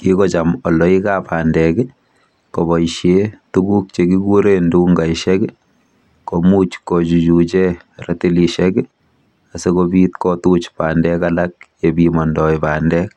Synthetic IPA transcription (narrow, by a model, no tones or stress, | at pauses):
kikɔt͡ʃamɔlɔikapaːndɛk | koβɔʃjetukuk̚t͡ʃekikuɾenduŋɡaiʃɛk | komut͡ʃkot͡ʃut͡ʃut͡ʃe | retiliʃɛk | asekobitkɔtut͡ʃpaːndɛkalak̚jebimɔndɔipaːndɛk